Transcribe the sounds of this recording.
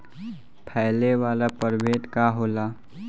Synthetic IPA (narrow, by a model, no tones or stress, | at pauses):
pʰɛjleʋaːlapəɾbet̪kaɦoːla